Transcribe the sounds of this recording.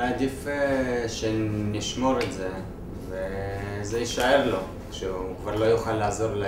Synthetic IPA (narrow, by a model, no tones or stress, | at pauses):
ad̪ifeʃeniʃmo̞ɾetze | vezeiʃaeʁlo̞ | kʃeukvaʁlo̞juχalːaːzo̞ʁla